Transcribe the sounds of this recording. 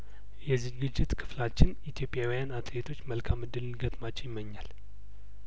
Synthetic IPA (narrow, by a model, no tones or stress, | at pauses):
jɛzɨɡɨd͡ʒːɪt̪kʰɨ̥flat͡ʃːɪnit̪ʰjo̞pʼːjawijanat̪ʼlet̪ʰo̞t͡ʃːməlkʰamːɨd̪ːɨlɨnɡət̪ʼmat͡ʃːɛjɪmːəɲːal